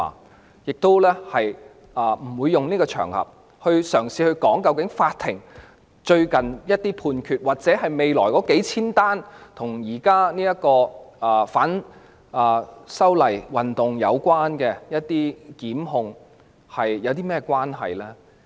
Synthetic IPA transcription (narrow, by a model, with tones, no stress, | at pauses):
jɪ˨k̚t̪o˥wlɛː˥hɐ˨j | ɐː˨˩m̩˨˩wuː˨˧jːʊ˨ŋniː˥kɔː˧t͡ʃʰœ̰ː˨˩ŋhɐ̰˨p̚ | hɵ˧ɥsœː˨˩ŋsiː˨˧hɵ˧ɥkɔː˨˥ŋkɐ˧wkɪ˨˥ŋfaː˧t̪ʰːɪ˨˩ŋ | t͡ʃɵ˧ɥkɐ˨njɐ˥t̚t̪iː˥pʰuː˧nkʰyː˨t̚waː˨t̚t͡sɛː˨˥ɦɐ˨jme˨jlɔː˨˩jkɔː˨˥ke˨˥jt͡sʰiː˥nt̪aː˥nt̪ʰʊ˨˩ŋjiː˨˩kaː˥niː˥jɐ˥t̚kɔː˧ɐː˨˩faː˨˥n | ɐː˨˩sɐ˥wlɐ˨˩jwɐ˨nt̪ʊ˨ŋjɐ̰˨˧wkwaː˥nkɛː˧jɐ˥t̚t̪iː˥kiː˨˥mɦʊ˧ŋ | hɐ˨jjɐ˨˧wt̪̬iː˥mɛː˥kʷwaː˥nɦɐ̰˨jlɛː˥